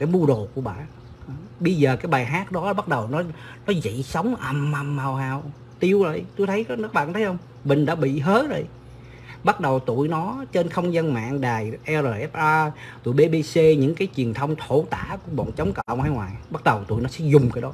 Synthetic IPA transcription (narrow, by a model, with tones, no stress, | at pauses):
kaː˨˦jmu˧əɗo˨ku˧˩əɓa̰ː˧˨ | ɓə˧jzəː˨˩kaː˨˦jɓaː˨˩jɦaː˦˥t̚ɗɔ˨˦˨ɓa˦˥t̚ɗə˨˩wnɔ˨˦ | nɔ˨˦zḭ˧˨sə˨˦wŋ͡mʔə˨˩ma˨˩mːaː˨˩whaː˨˩w | t̪i˧əwzo̰˧˨˩jt̪o˧jt̪ʰə˨˦jɓaː˧˨˧t̪ʰə˦jhə˧wŋ͡m | mï˨˩ŋ̟ɗa̰ː˧˥ɓḭ˧˨ɦəː˨˦˥t̚zo̰˨j | ɓa˦˥t̚ɗə˨˩wt̪ṵ˧˨jnɔ˨˦t͡ɕe˧nxə˧wŋ͡mza˧nma̰ː˧˨ŋɗaː˨˩jʔɛ˧zəː˨˩ʔɛ˦˥p̚ʔaː˧t̪ṵ˧˨jɓe˧ɓe˧se˧ɲɨ̰˧˥ŋkaː˨˦jt͡ɕwi˨˩ənt̪ʰə˧wŋ͡mt̪ʰo˧˥t̪a̰ː˧˨ku˨˧˩əɓɔ̰˧˨nt͡ɕə˨˦wŋ͡mkə̰˧˨wŋ͡mha˧jhwaː˨˩jɓa˦˥t̚ɗə˨˩wt̪ṵ˧˨jnɔ˨˦sɛ̰˧˥zʊ˨˩ŋ͡mkaː˨˦jɗɔ˨˦